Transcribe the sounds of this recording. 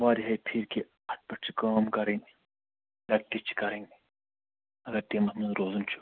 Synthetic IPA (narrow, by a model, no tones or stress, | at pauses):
ʋaːɾiɦɐjpʰiɾki | ɐʈ̚pɐt͡ʃʰikaːmkɐɾẽŋi | lɐk̚ʈit͡ʃʰi̥kɐɾɐ̃ŋɡi | ɐɡɐɾʈ̪eːmɐsmɐnɾoːzunt͡ʃʰu̥